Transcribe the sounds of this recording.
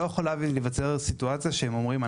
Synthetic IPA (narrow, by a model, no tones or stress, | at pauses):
ojeχolavlevat͡se̞ʁsituat͡sijaʃehemo̞mʁima